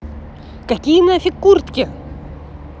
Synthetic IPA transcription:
kɐkʲijənafʲɪkːurt̪kʲɪ

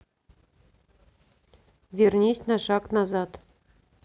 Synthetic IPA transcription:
vʲernʲesʲnɑʂɑknɑzɑt̪

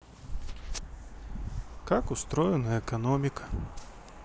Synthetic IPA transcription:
kakust̪ɾɔjɛnɐɛkanɔmʲikɐ̥

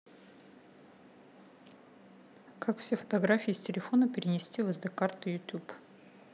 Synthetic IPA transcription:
kakfsʲefə̥t̪ɐɡɾafʲijːsʲtʲɪlʲɪfo̞nəpʲɪɾʲɪnʲɪsʲtʲivɨzd̪ɨkart̪ɨjʊt̪ʲup

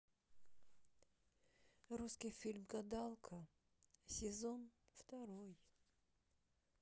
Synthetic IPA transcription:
ɾuskʲijfʲilʲmɡɐd̪alˠkʰə | sʲɪzonft̪ɐɾoj

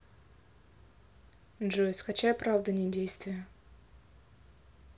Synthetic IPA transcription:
ʐoɪsʲxɐt͡ɕʲapɾavd̪ənʲɪdʲejst̪vʲɪjə

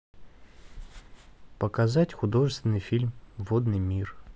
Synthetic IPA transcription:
pəkɐzatʲxʊd̪o̞ʐɨst̪vʲɪnːɨjfʲilʲmvod̪nɨjmʲir

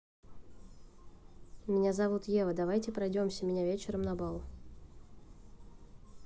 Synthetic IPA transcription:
mʲɪnʲazɐvut̪jevəd̪ɐvajtʲɪpɾɐjdʲo̞msʲəmʲɪnʲavʲet͡ɕɪɾəmnɐbalˠ

